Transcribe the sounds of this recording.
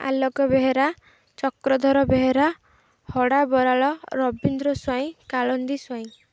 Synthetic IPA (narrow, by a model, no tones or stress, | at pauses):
a̰lɔɡɔbeɦeɾa | t͡ʃɔkɾɔd̪ʱɔɾɔbeɦeɾa | hɔɽabɔɾaɭɔɾɔbind̪ɾɔswaĩkaɭɔnd̪iswaĩ